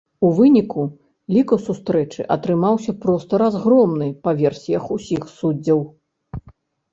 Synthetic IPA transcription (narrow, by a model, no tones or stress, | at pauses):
uvɨnʲiku | lʲikɐsust̪ɾɛt͡ʂɨ̰ʔɐ̰t̪ɾɨmawsʲɐpɾɔst̪ɐɾazɣɾɔmnɨpɐvʲɛrsʲijɐxusʲixsud͡zʲːɐw